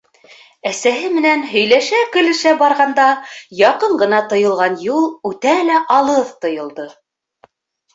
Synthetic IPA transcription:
æsæɦɘmɘ̆nænɦɵ̆jlæʃækɵ̆lɘ̆ʃæbɑɾʁɑnd̪ɑjɑqɤɴɢɤ̆nɑt̪ɤ̆jɤ̆lˠʁɑnjulˠʉt̪ælæʔɑlˠɤðt̪ɤ̆jɤ̆lˠd̪ɤ

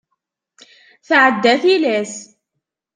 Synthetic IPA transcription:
θaʕad̪ːaθilɛːs

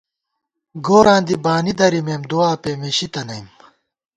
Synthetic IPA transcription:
ɡoːɾãːnd̪ibaːnid̪ɐɾimeːmd̪uaːpeːmeɕit̪ɐnɐjm

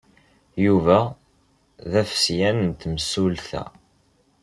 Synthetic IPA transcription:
juvæ | ðæfə̥sjænənt̪məsulθæ̰

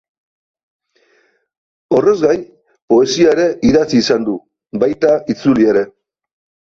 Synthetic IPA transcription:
o̞re̞zɣaj | po̞e̞siaeɾe̞ʔiðat͡siːsand̪u | bajt̪ait͡sulie̞ɾe̞

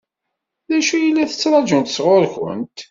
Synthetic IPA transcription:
ðæʃujəlːæθə̥t͡sːɾˤɑd͡ʒʊnt̪ə̥sʁoɾçʊ̰nt̪

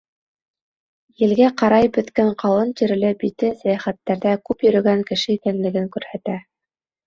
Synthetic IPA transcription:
jɘ̆lɡæqɑɾɑjbɵ̆t̪kæɴqʰɑlˠɤnt̪ĭɾɘ̆lɘbit̪ɘsæjæχæt̪ːæɾðækʉpjɵ̆ɾɵ̆ɡæŋkɘ̆ʃɘikænlɘ̆ɡɘŋkʉɾhæt̪æ

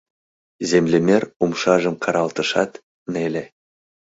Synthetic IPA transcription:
zemlʲemʲeɾumʃɑʒə̆mqʰɑɾɑlˠt̪ɤ̆ʃɑt̪ | nelʲe

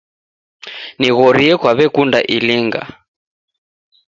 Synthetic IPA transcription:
niɣɔɾiɛkwaβɛkundaʔiliŋɡa̰

